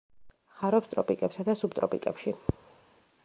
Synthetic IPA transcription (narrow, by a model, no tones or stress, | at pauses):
χaɾɔpst̪ʼɾɔpʼikʼɛpsad̪asub̚t̪ʼɾɔpʼḭkʼɛpʃi